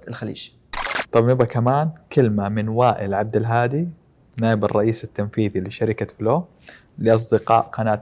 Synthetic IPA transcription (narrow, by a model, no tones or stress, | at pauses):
ɪlxalḭːʃ | t̪ˤɑbnɪbɡakamaːnkɪlmamɪnwaːʔɪlʕab̚d̪ɪlɦaːd̪i | naːʔɪbɑrˤːɑʔiːsat̪ːanfiːðiliʃaɾɪkat̪floː | lɪʔɑs̬ˤd̪ɪqɑ̰ːʔqɑnaːt̪